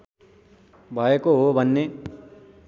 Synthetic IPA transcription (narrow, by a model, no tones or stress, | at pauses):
bʱaekoɦobʱənːe